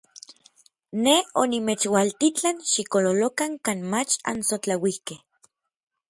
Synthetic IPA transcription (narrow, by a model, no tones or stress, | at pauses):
neonimet͡ʃwalt̪it͡ɬanʃikololokaŋkaːnmat͡ʃa̰nsot͡ɬawihkeh